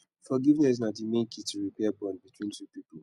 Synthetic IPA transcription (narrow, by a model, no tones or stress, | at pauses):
fɔɡivnɛs̬datimẽkʰituɹipɛabɔ̃nbitʰwĩntʰupipl